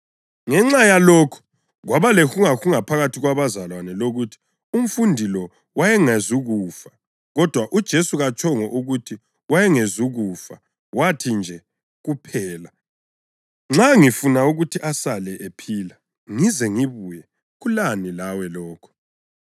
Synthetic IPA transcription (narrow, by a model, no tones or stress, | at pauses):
ŋɛŋ͡ǁajalɔkʰɔ̥ | ɣwaβalɛxuŋaxuŋapʰaɣatʰiɣwaβazalwanɛloɣutʰi̥ | um̩fundʱilɔ | wajɛŋezuɣufa | ɣɔd̥ʱwaʔud̥ʒ̥ʱesuɣat͡ʃʰʼɔŋɔʔuɣutʰi | wajɛŋezuɣufa | watʰind͡ʒʱɛ | ɣupʰɛːla | ŋ͡ǁaŋifunauɣutʰiʔasalɛʔepʰiːla | ŋizɛŋiβujɛ | ɣulanilawɛlɔːkʰɔ̥